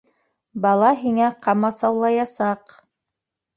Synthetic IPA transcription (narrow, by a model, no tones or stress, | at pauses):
bɑlˠɑɦiŋæqʰɑmɑsɑwlˠɑjɑsɑq